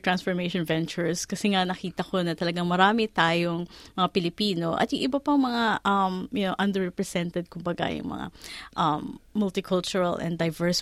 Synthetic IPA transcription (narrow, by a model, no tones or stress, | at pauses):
t̪ɾãnsfɔɹmejʃɔ̃nvɛnt͡ʃʊɹskɐsɛŋanɐkiːt̪ɐko̞nɐt̪ɐlɐɡaŋmɐɾaːmɪt̪aːjoŋmɐŋapɪlɪpiːno̞ʔɐ̰t̪jʊŋʔɪbɐpɐŋmɐŋaʔɐmjʊnowʔɐnd̪ɛɹɛpɹɛsɛnt̪ɛd̪̚kʊmbɐɡa̰jʊ̰ŋmɐ̰ŋa̰ʔɐmːʊlt̪ɪkʰʊlt͡ʃʊɹɐlʔɛ̰̃nd̪ɐjvɛɹs